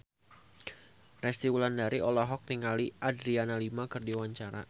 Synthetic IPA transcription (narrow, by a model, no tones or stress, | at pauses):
rɛst̪iulandaɾiʔɔlaɦɔk̚niŋaliʔadɾianalimakɨrdiwaɲt͡ʃaɾa̰